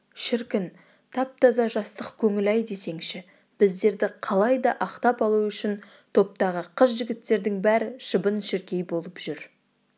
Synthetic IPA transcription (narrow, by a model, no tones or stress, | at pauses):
ʃɪɾkʲɪn | t̪ʰɑp̚t̪ʰɑzɑʒɑst̪əqkʲʰɵŋɪlɑjd̪e̞se̞ŋʃɪ | b̥ɪzd̪e̞ɾd̪ɪqʰɑlˠɑjd̪ɑʔɑqt̪ɑpɑlˠuʏʃɪn | t̪ʰo̞p̚t̪ɑʁəqʰəʃ̬ʒɪɡʲɪt̪ːe̞ɾd̪ɪŋbæɾɪʃəbənʃɪɾkʲe̞jbo̞lˠəpʒ̥ʏɾ